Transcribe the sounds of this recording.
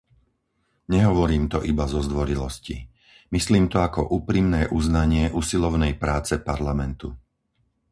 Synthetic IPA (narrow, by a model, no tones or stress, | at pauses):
ɲɛɦɔʋɔɾiːmt̪ɔʔibazɔzd̪ʋɔɾilɔscḭ | misliːmt̪ɔakɔʔuːpɾimnɛːʔuznaɲɪɛʔusilɔʊnɛjpɾaːt͡sɛpaɾlamɛnt̪u